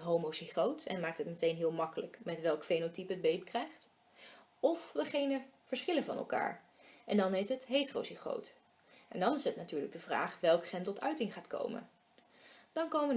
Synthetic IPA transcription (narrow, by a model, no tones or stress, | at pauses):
ɦowmosiχowtɛ̰nmaːk̚tɦətmətejnɦɪːlˠmɑkələkmɛtʋɛlˠkfejnotipəd̚bejpkrɛjχt | ɔfdəχejnəv̥əɹsχɪləvɑ̰nɛ̰lˠka̰ːɹ | ʔɛndɑnɦejtɦətɦejtro̰wsiχo̰wt | ɛndɑnɪsətnatyːɹləɡ̚dəvra̰ːχʋɛlˠkχɛntɔtʰœɥtɪŋχaːtko̰wmə̰n | d̥ɑnkowmən